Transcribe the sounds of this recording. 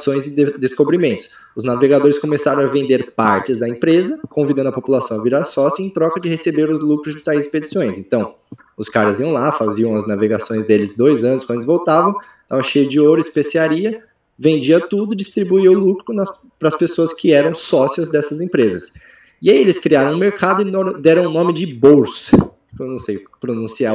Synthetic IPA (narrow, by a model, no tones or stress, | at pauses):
sõj̃zɪd̪eskobɾimẽnt̪ʊ̥s | ʊznaveɡad̪oɾɪskõmesaɾɐ̃w̃ɐvẽnd̪eɾpaɾt͡ʃɪzd̪ɐẽpɾezɐkõvid̪ɐ̃nd̪ɐpopulasɐ̃w̃ɐviɾaɾsɔsiʊẽj̃t̪ɾɔkɐd͡ʒɪhesebeɾʊzlukɾʊzd͡ʒɪt̪ajzɪsped͡ʒisõj̃sẽt̪ɐ̃w̃ | ʊskaɾɐziɐ̃w̃lafaziɐ̃w̃ɐznaveɡasõj̃zd̪elɪzd̪ojzɐ̃nʊskɐ̃d̪ɪʊzvowt̪avɐ̃w̃ | d̪avɐʃejʊd͡ʒɪoɾʊɪspesiaɾiɐ | vẽnd͡ʒiɐt̪ud̪ʊd͡ʒist̪ɾibuiʊlukɾʊnɐ | pɾɐspesoɐskʰɪɛɾɐ̃w̃sɔsiɐzd̪ɛsɐzẽpɾezɐs | ɪaielɪskɾiaɾɐ̃w̃ʊ̃meɾkad̪ʊɪnoɾd̪ɛɾɐ̃w̃nõmɪd͡ʒɪbowsɐ | kewnɐ̃w̃sejpɾonũsia